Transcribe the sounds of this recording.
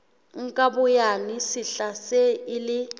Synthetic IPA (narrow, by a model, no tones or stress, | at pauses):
ŋ̩kʼabʊjanisiɬasɛilɪ